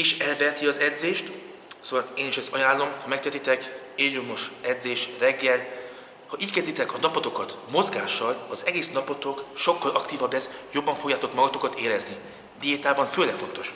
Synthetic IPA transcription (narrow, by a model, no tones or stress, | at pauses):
iʃɛlvɛt̪iɒzɛd̪zeːʃt̪soːvɔleːniʃɛst̪ɒjaːlːo̞mhɒmɛkt̪ɛt̪it̪ɛk | eːljomo̞ʃɛd̪zeːʃrɛɡːɛl | hɒʔiːckɛzd̪it̪ɛkɒnɒpot̪o̞kɒt̪mo̞zɡaːʃːɒlɒzɛɡeːsnɒpot̪o̞kʃo̞kːɒlɒkt̪iːvɒbːɛsjo̞bːɒɱfoɡjaːt̪o̞kmɒɡɒt̪o̞kɒt̪eːɾɛzni | d̪iet̪aːbɒɱføːlɛkfo̞nt̪o̞ʃ